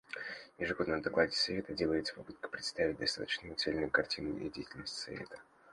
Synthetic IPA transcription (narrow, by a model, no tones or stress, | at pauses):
jɪʐɨɡo̞d̪nəmd̪ɐklˠadʲɪsɐvʲet̪ədʲelˠəjɪt̪sə̥pɐpɨt̪̚kə̥pɾʲɪt̪st̪avʲɪt̚ʲd̪ɐst̪a̰t̪ə̥t͡ɕnɨjʊt̪selʲnɨjʊkɐrtʲinɨḭdʲejtʲɪlʲnəsʲtʲsɐ̰vʲḛt̪ə̥